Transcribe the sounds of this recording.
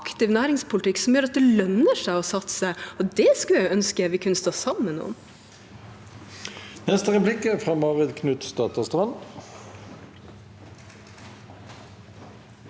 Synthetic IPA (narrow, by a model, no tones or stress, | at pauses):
kt̪ɪʋnæːɾɪŋspʊlɪt̪ɪkːsɔmjøːɾɑt̪̚d̪ɛlœnəʂæɪɔsɑt̪səɔd̪ɛskʉjæɪœnskəæʋɪkʰʉnəst̪oːsɑmːənːṵːən | nɛst̪əʁɛplɪkːəfʁɑːmɑːʁɪd̪kʰnʉt̪st̪ɑːt̪ɑst̪ʁɑn